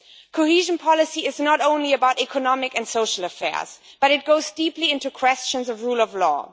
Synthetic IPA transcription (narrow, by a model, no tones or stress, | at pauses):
kʰoʊhiʒɨ̃npʰɑlˠɨsiɨznəɾõʊ̃nliɨbaʊɾikʰɨnɑmɪkɨ̃nsoʊʃl̩ˠəfɛ̰ɹz̥ | b̥ʌɾɨt̚ɡ̥oʊzdipliɪ̃ntukʰw̥ɛst͡ʃə̃nzʌvɹulˠʌvlɔ̰